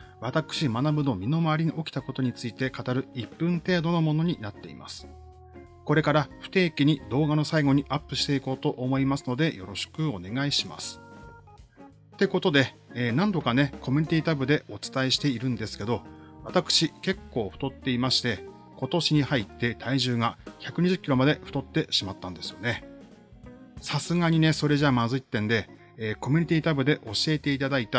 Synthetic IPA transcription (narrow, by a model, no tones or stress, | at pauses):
βat̪akɯ̟̥ɕimanabɯ̟no̞mʲino̞maaɾʲiɲiʔo̞kʲi̥t̪ako̞t̪o̞ɲ̟it͡sɨit̪e̞kat̪aɾɯ̟ipːɯ̟̃nt̪e̞ːd̪o̞no̞mo̞no̞ɲ̟inat̪ːe̞ḭma̰sɨ̥ | ko̞ɾe̞kaɾaɸɯ̟̥t̪e̞ːkʲiɲ̟id̪o̞ːɡano̞saiɡo̞ɲ̟iʔapːɯ̟ɕi̥t̪e̞iko̞ːt̪o̞ʔomo̞imasɨno̞d̪e̞jo̞ɾo̞ɕi̥kɯ̟o̞ne̞ɡaiɕima̰sɨ̥ | t̪e̞ko̞t̪o̞d̪e̞ | nãnd̪o̞kane̞ko̞mʲi̟ɲ̟it̪ʲiːt̪abɯ̟d̪e̞o̞t͡sɨ̥t̪aiɕi̥t̪e̞iɾɯ̟̃nd̪e̞sɨ̥ke̞d̪o̞βat̪akɯ̟̥ɕike̞kːo̞ːɸt̪o̞t̪ːe̞imaɕi̥t̪e̞ | ko̞t̪o̞ɕiɲ̟ihait̪ːe̞t̪ʰaiʑɨːɡaçakɯ̟ɲ̟iʑɨkʲːiɾo̞mad̪e̞ɸɯ̟̥t̪o̞t̪ːe̞ɕimat̪ːãnd̪e̞sɨjo̞̰ne̞ | sasɨɡaɲ̟ine̞so̞ɾe̞ʑamazɨit̪ːẽ̞nd̪e̞ː | ko̞mʲi̟ɲ̟it̪ʲiːt̪abɯ̟d̪e̞ʔo̞ɕie̞t̪e̞it̪ad̪ait̪a